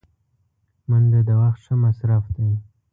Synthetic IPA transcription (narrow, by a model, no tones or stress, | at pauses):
mənd̪əd̪əwaxt̪ʂəmasɾafd̪ej